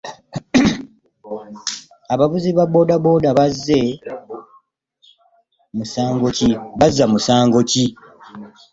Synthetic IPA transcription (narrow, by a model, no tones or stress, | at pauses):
aβaβuziβabo̞ːdabo̞ːdaβazːe̞ | musaːŋɡo̞ciβazːamusaːŋɡo̞ci